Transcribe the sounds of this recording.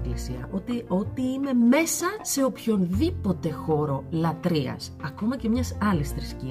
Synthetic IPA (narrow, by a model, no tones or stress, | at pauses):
isiɐ̰ʔo̞t̪io̞t̪iime̞me̞sɐse̞opço̞nðipo̞t̪e̞xo̞ɾo̞lɐt̪ɾiɐ̰sɐko̞mɐce̞mɲɐsɐlisθɾisci